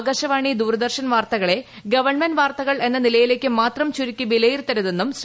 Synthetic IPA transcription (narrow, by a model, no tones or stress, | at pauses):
ɡɐɕɐʋaːɳid̪uːrɐd̪ɐrɕɐnʋaːrt̪ɐɣɐɭe̞ | ɡɐʋɐɳmenʋaːrt̪ɐɣɐɭe̞nːɐnilɐjile̞ːkʲːɨmaːt̪rɐmt͡ɕuɾikʲːɨbilejirt̪ɐɾuðe̞nːums